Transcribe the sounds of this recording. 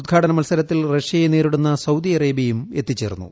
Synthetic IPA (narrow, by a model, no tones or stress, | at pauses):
ud̪̚ɡʱaːʈɐnɐmɐlsɐɾɐt̪ːilreʂjɐjeneːɾuɽunːɐsɐwd̪iɐreːbjɐjume̞t̪ːit͡ɕːḛːrunːṵ